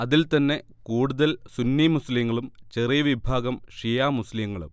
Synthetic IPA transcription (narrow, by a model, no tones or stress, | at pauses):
ɐðilt̪ɐnːe̞ | kuːɽuðɐlsunːimusliŋːɐɭumt͡ɕerijɐʋibʱaːɡɐmʂijaːmusliŋːɐɭṵm